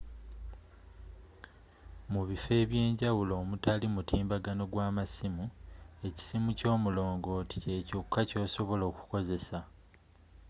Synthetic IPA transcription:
muβife̞ːβje̞ːɲɟawulo̞ːmutalimutiːmbaɡano̞ɡwaːmasimue̞ci̥simuco̞ːmulo̞ːŋɡo̞ti̥ce̞cokʰːaco̞ːso̞βo̞lo̞ːku̥ko̞ze̞sa

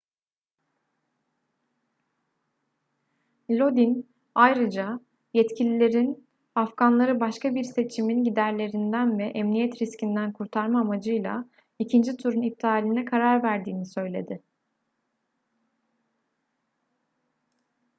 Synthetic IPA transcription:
lʲo̞d̪in | ajɾɯd͡ʒa | jɛt̪cʰilʲilʲe̞ɾin | afɡ̥anlˠaɾɯbaʃkabiɾse̞t͡ʃʰiminɟid̪æɾlʲe̞ɾind̪ænvɛʔɛmnijɛt̪ɾiscind̪ænkʰuɾt̪ʰaɾmaːmad͡ʒɯjlˠa̰ | icʰind͡ʒit̪ʰuɾunip̚t̪ʰaːlʲinɛkʰaɾaɾvæɾd̪iːnisø̞jlʲe̞̰d̪ɪ

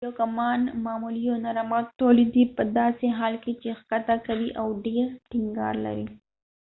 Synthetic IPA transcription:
okamɑnmɑmulijonaɾɑmɑt̪ːolid̪ipəd̪ɑseɦɑlket͡ʃexkat̪akawiʔawɖeɾʈɪŋɡɑ̰ɾla̰ɾḭ

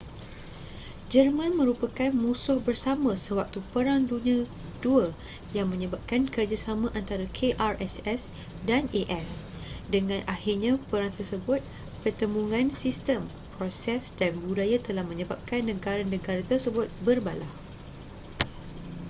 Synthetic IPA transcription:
d͡ʒərmãnmə̃ɾupakanmũsʊhbərsamãsəwak̚t̪upəɾaŋdunĩa | duə | jaŋmə̃ɲəbap̚kankərd͡ʒasamãʔant̪aɾakʰeʔarɛsɛs | daneʔɛs | dəŋãnʔahirɲãpəɾaŋt̪ərsəbʊt̪̚ | pərt̪əmuŋãnsist̪əm | pɾosɛsdanbudajat̪əlahmə̃ɲə̃bap̚kanːə̃ɡaɾanə̃ɡaɾat̪ərsəbʊt̪̚bərbalah

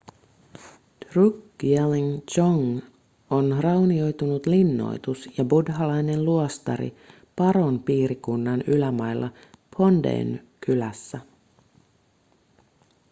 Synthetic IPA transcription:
t̪rukɡ̥ieliŋt͡ʃoŋ | onrɑwnio̞jt̪unut̪linːo̞̰jt̪usjɑbudɦɑlɑjne̞nluost̪ɑ̰ɾḭ | pɑɾo̞npiːɾikunːɑnylæmɑjlːʔɑ | pʰo̞ndḛːnkʰylæsːæ

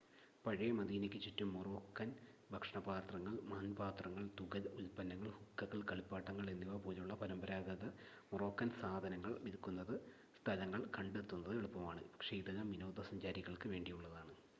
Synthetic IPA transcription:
pɐɻijɐmɐd̪iːnekʲːɨt͡ɕːitːumːuroːkːɐnbʱɐkʂɐɳɐbaːt̪rɐŋːɐɭmaːnbaːt̪rɐŋːɐɭt̪uɣɐðulpɐnːɐŋːɐɭhukːɐɣɐɭkɐɭipːaːʈːɐŋːɐɭenːiʋɐpoːluɭːɐpɐɾɐmbɐɾaːɡɐðɐ | muro̞ːkːɐnsaːd̪ʱɐnɐŋːɐɭʋiðikːunːɐðɨ | st̪ʰɐlɐŋːɐɭkɐɳɖet̪ːunːɐðɨeɭupːɐmaːɳɨpɐkʂeːd̪ɐnɐmino̞ːd̪ɐsɐɲd͡ʑaːɾiɣɐɭkɨʋe̞ːɳɖijuɭːɐðaːɳɨ

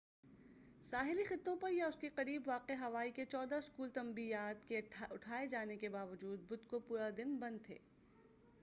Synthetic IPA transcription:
saːɦɪlixɪt̪ːõpɐɾjaʊskiqɐɾiːbʋaːqeɦɐʋaːiket͡ʃɔːd̪aɪskuːlt̪ɐ̃mbiːjaːt̪keʊʈʰaːed͡ʒaːnekebaːʋɐd͡ʒuːd̪̚bʊd̪kopuːɾad̪ɪnbɐ̃nd̪̚t̪ʰḛː

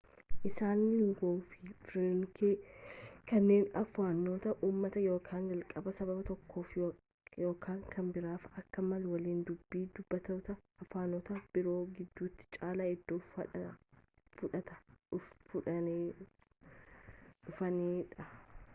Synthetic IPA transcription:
ʔɪsaːnːɪŋɡoːfɪfɾɪŋkeːkɐnːe̞ːnɐfaːnːoːt̪ɐʔuːmːɐt̪ɐjo̞ːkʰaːnd͡ʒɐlkʼɐbɐsɐbɐbɐt̪ɔkːo̞ːf | jo̞ːkʰaːŋkʰɐnbɪɾaːfɐkːɐmɐlwɐliːnd̪ʊbːiːd̪ʊb̥ːɐt̪oːt̪ɐɐfaːnoːt̪ɐb̥ɪɾo̞ːɡɪd̪ːuːt̪ːɪ̥t͡ʃʼaːlaːɪd̪ːoːɐ | fʊᶑɐt̪ɐfʊᶑɐne | ᶑʊfɐneːᶑɐ

